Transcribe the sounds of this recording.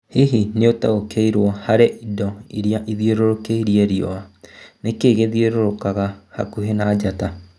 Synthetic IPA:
hiɦineotaokeiɾwɔhaɾeʔidɔiɾiaʔiðjeɾoɾokeiɾieɾiɔ̰anekeːɣeðieɾoɾokaɣaha̰kuɦenaːd͡ʒata

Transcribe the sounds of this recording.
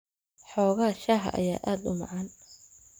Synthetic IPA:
ħɔːɣaːʃaːɦɐ̰ʔɐ̰jaːʔaːd̪ʊmɑ̰ʕɑːn

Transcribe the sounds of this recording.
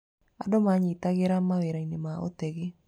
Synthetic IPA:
adomaɲitaɣeɾamaweɾainemao̰tɛɣe

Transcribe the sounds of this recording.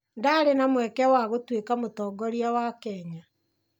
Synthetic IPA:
ndaɾenamwɛkɛwaɣotwekamotɔːɡɔɾiawakɛːɲa

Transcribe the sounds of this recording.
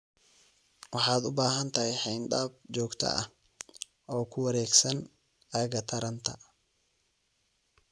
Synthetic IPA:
wɑħɑːd̪ʊbaːɦɐnt̪ʰɐhɛjħɛjnd̪aːb̚t͡ʃɔːɡt̪ʰɐ̰ɐ̰h | ʔɔːkʰʊwɐɾɛːɡsɐn | ɐjɐɣɐt̪ʰɐɾɐnt̪ʰɐ

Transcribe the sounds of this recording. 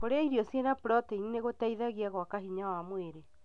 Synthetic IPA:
koɾeaiɾiɔsienapɾɔteinineɣotaiðaɣiaɣwakaɦiɲawamweɾe

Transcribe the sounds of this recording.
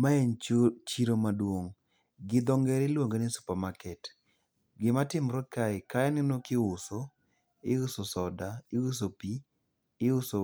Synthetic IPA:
maɛnt͡ʃiɾomadwoŋ | ɡɪd̪ɔŋɡɛɾɪlwoŋɡenɪsu̥pamakɛt | ɡɪmatɪmɾɔkaɪkajanɪnokɪʊso | ɪʊsosɔdaɪʊs̬opiː | ʊso

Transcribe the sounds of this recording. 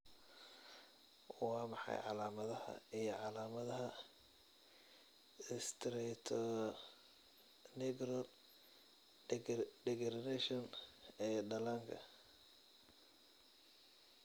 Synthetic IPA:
wɑːmɑħɑ̰jʕɑ̰laːmɐðɐhɐ̰ijɞʕɑlaːmɐðɐɦɐ | st̪ʰɾɛt̪ʰ | nɛɡɾɔl | ɖɛɡɛrnɛʃɔnɛːɖɐlaŋkʰɐ̰

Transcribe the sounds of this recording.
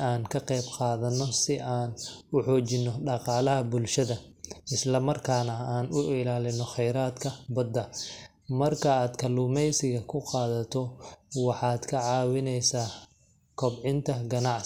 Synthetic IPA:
aːnkʰɐqɛjbqɑːðɐnːɔsɪʔaːnʊħɔːt͡ʃɪnːɔɖɑqɑːlɐɦɐbʊlʃɐðɐ | ɪslɐmɐrkʰaːnɐaːnʊʔɪlaːlɪnɔχɛjɾaːd̪kʰɐbɐd̪ːɐ | mɐrkʰɐaːd̪kʰɐluːmɛjsɪɣɐkʰʊqɑːðɐt̪ʰɔwɑħɑːd̪kʰɐʕɑːwɪnɛjsaː | kʰɔbʕɪnt̪ʰɐɡɐnɑʕ

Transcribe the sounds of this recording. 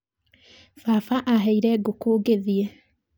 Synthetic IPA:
fafaʔaɦɛiɾɛɡokoːɡeðie

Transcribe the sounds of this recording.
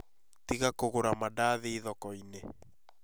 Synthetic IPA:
tiɣakoɣoɾamadaðeiðɔkɔine

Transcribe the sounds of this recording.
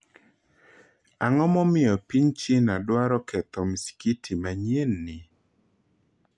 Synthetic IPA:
aŋɔmɔmɪjɔpiɲt͡ʃɪnadwaɾɔkʰɛt̪ɔmisi̥kitʰimaɲenːɪ

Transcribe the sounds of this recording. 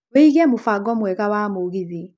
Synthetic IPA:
weiɣɛmufaɡɔmwɛɣawamoɣiði

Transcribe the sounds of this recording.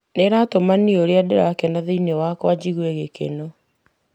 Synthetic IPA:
neɾatomanioɾeadeɾakɛnaðeinewakwad͡ʑiɣweɣekḛno

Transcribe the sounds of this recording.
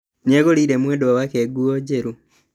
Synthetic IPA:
ɲeɣoliɾemweːdowawakeɡuoɟeɾu

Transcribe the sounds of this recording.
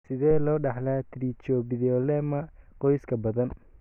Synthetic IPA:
sɪðɛːlɔːɖɑħlaːt̪ʰɾit͡ʃɔːbɪðɔlɛmɐqɔjskʰɐbɐðɐn

